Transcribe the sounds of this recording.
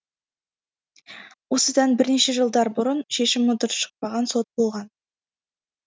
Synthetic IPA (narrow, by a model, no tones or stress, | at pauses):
wo̞səd̪ɑnbɪɾne̞ʃe̞ʒəlˠd̪ɑɾbʊɾənʃe̞ʃɪmːʊt̪ʊɾʃə̥q̚pɑʁɑnso̞t̪̚bolˠʁɑn